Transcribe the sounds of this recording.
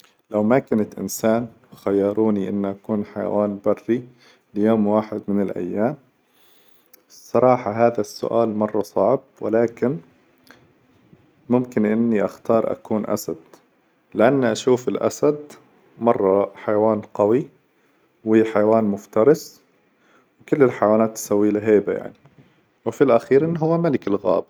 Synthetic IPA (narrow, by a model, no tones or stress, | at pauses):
lawmakanat̪ʔɪ̰nsaːn | xajːɑɾˤuːniʔɪnːʔakuːnħaja̰waːnbarːi | lɪjoːmwaːħɪd̪mɪnɪlʔa̰jːaːm | sˤːɑɾˤɑːħɑɦaːðasːʊ̰ʔaːlmɑrˤːɑsˤɑʕb̚wɪ̰laːkɪn | mʊmkɪnʔɪnːiʔaxt̪ɑːɾˤʔa̰kuːnʔa̰sad̪̥ | lɪʔanːiʔaʃuːfɪlʔa̰sad̪ | mɑrˤːɑħajawaːnqɑwi | wiːħajawaːnmʊft̪ɑɾˤɑs | wɪkʊlːɪlħajawaːnaːt̪ːsawːiːlaɦeːbaja̰ʕni | wɪfilʔaxiːɾʔɪnːɦʊwːamalɪkɪlɣa̰ːb